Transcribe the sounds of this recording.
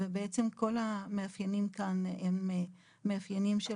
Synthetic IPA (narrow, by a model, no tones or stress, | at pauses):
ebeet͡semko̞lameafjanimkanemː | eafjanimʃe